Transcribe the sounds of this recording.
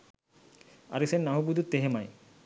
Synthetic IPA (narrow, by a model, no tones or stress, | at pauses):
a̰ɾiseɾnaɦubud̪ut̪eɦemaj